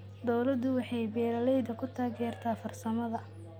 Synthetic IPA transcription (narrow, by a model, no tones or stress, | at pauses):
d̪ɔwlɐd̪ʊwɑħɑjbɛːlɐlɛjd̪ɐkʰʊt̪ʰaːɡɛːrt̪ʰaːfɐrsɐmɐðɐ